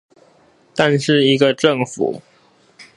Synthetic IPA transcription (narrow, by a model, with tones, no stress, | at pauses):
t̪a˥˧nʂɻ̩˥˩i˧˥ɡə˧ʈ͡ʂə˥˩ŋfṵ˨˩˦